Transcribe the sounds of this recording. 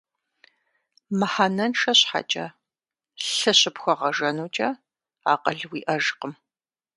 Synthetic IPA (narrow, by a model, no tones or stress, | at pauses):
mɨħanɐnʂɐɕħa̰t͡ʃʼɐ̰ | ɬɨɕɪpxʷɔʁɐʒɐnuːt͡ʃʼɐ | aːqɐɮwiːʔɐʒqəm